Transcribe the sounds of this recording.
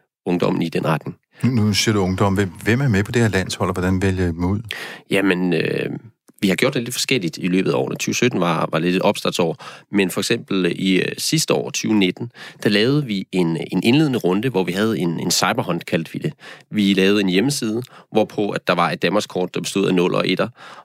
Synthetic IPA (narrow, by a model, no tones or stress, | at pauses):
ɔ̽ŋd̥ɒ̽m̰n̩id̥enʁɑd̥ne̝ŋ | nnusiɐ̰ɾ̥uɔ̽ŋd̥ɒ̽meʋem̰æɐmepʰɒ̽d̥eheɐlæn̰shɒ̽l̰ɒʋɒd̥ænʋeljəe̥muð̰ˠjæmenø | ʋihɑ̈ɡ̥jo̰ɐd̥ele̝d̥fɒ̽sɡ̥el̰id̥ilø̰ːb̥ð̩ˠæɒ̰ːnət͡sʰyːʊsød̥n̩ʋɑ̈ʋɑ̈le̝d̥eɒ̽b̥sd̥ɑdsɒ̰ːmenfɒ̽eɡ̥sem̰b̥l̩isisd̥əɒ̰ːt͡sʰyːʊne̝d̥n̩d̥ælɛːʊð̞̩ˠəʋie̝ne̝nʔe̝nle̝ðˠənəʁɔ̽nd̥əʋɒʋiɦæð̞̩ˠe̝nensɑ̈ɪb̥ɐɦɒ̽n̥kʰæl̰d̥ʋid̥e̝ʋilɛːʊð̩ˠe̝njeməsiːð̞ˠəʋɒːpʰɒ̽æd̥ɑ̈ʋɑ̈e̝d̥ːænmɑskʰɒ̰ːd̥̚ːɑ̈b̥e̝sd̥o̝ð̰ˠænɔ̽l̰ʔɒ̰̽ʔe̝d̥ɐ